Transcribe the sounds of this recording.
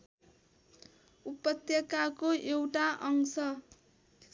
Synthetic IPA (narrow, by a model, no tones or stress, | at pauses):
upʌt̪jʌkakoʔewʈaʔʌŋsʌ